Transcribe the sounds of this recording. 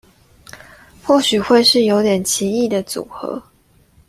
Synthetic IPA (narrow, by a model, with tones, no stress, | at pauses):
xwɔ˥˩ɕy˨˩xwe˥˧ɪʂɻ̩˥˩jo˧˥ʊt̪jɛ˨˩nt͡ɕʰi˧˥i˥˩d̪ə˩t͡sṵ˨˩˦xɤ̰˧˦